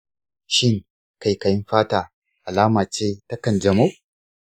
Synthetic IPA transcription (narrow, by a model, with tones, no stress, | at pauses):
ʃɪ˦ŋ | ka˨jkɐ˨jɪ˦mɸaː˦taː˨ | ʔa˨laː˦maː˨t͡ʃeː˦tɐ˦kɐ˨nd͡ʒɐ˨mo˦ʔ